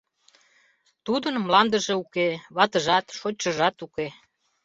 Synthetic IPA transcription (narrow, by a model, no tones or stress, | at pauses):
t̪ud̪ənmlɑnd̪əʒeukeβɑt̪əʒɑt̪ʃot͡ɕəʒɑt̪uke